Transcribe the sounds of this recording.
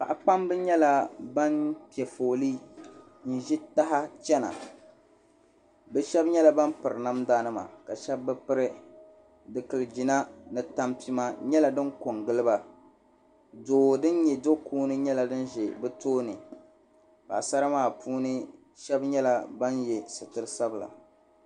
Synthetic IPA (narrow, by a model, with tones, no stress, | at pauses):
pa˨ʔa˨k͡pa˦mbɨ˦ɲɛ˦la˦ba˦npi˨ɛ˨foː˨liː˦ | n̩˨ʒi˦ta˦ɦa˦t͡ʃɛ˦na̰˨ | bɛ˦ʃɛ˦bɲɛ˦la˦ba˦npɨ˨ɾɨ˨na˦mdaː˦nɨ˦ma̰˨ka˨ʃɛ˦bːɨ˦pɨ˦ɾɨ˦ | dɨ˨kɨ˨lɨ˨d͡ʒi˨na˦nɨ˨ta˦mpi˦ma˦ɲɛ˦la˨dɨ˦nko˨ŋɡɨ˦lɨ˦ba˨ | doː˨dɨ˦n˦ɲɛ˨do˦kuː˦nɨ˦ɲɛ˦la˨dɨ˦nʒe˨bɨ˦toː˦nɨ˨ | ka̰˨sa˦ɾa˦maː˦˨pʰuː˦nɨ˦ | ʃɛ˦bɲɛ˦la˦ba˦njɛ˨sɨ˨tɨ˦ɾɨ˦sa˦bɨ˨la̰˨